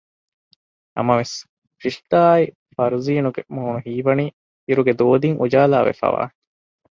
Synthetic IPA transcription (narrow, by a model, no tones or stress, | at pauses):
ɐ̰mɐʋes | fiʂt̪aːi | fɐɾuziːnuɡemoːnuɦiːʋɐniː | iɾuɡed̪oːd̪iŋʔud͡ʒaːlaːʋḛfæ̰ːʋa̰ː